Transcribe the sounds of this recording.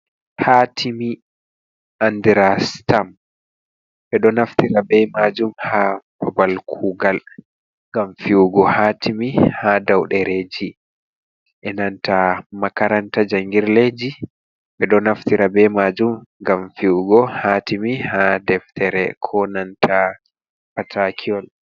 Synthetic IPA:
hatʰimi | andiɾastam | ɓɛɗɔnaftiɾabɛmad͡ʒumhapɔbalkʰuɡal | ŋɡamfiuɡɔhatʰimihadawɗɛɾed͡ʒi | ʔɛnantamakaɾantad͡ʒaŋɡiɾled͡ʒi | ɓɛɗɔnaftiɾabɛmad͡ʒumŋɡamfiuɡɔhatimihadɛftʰɛɾɛ̰kʰɔnantʰa | patʰakʰiɔl

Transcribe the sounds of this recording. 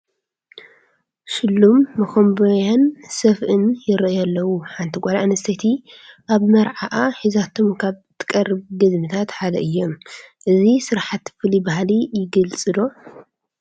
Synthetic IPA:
ʃɪlːumːɐxombɐjansɐfʔɨnjɪɾɐʔjalːɐwuħant̪ʰiɡʷʼɐlaʔnɐst̪ʰɐt̪ʰiʔaβmɐɾʕaʔaħizat̪ʰo̞mkʰaβt̪ʰɨ̥kʼɐrːɨβɡɨd̪mɨt̪ʰat̪ħad̪ɐ̰ʔɨjːomʔɨzisɨɾħat̪fɨlibahalijɪɡɐlt͡sʼɨd̪o

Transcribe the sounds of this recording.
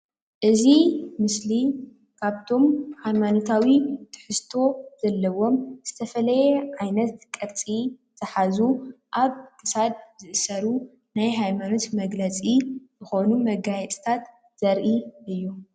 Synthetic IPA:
ʔɨzimɨsli | kʰaβt̪ʰo̞mhajmano̞t̪ʰawit̪ʰɨ̥ħɨst̪ʰo̞z̥ɐlːɐwo̞mz̥ɨt̪ʰɐfɐlɐjɛʕajnɐt̪kʼɐɾt͡sʼizʰɐħazuʔaβkʰɨsad̪̚zɨʔɨsɐɾu | najɦajmano̞t̪mɐɡlɐt͡sʼizɨxo̞numɐɡajɛt͡sʼi̥t̪ʰat̪ | z̥ɐɾʔiʔɨjːu

